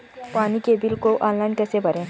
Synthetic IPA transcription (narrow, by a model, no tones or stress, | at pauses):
panikebilkoʔɔ̃nlajnkəsebəɾẽ